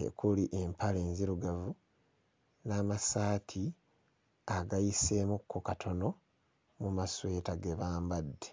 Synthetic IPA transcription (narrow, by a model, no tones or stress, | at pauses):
ḛkʰuliʔe̞mpʰaleːnziɾuɡavu | naːmasaːtʰi | aɡajise̞ːmukʰːokatʰo̞no̞ | mumaswe̞ːtaɡe̞βaːmbadːe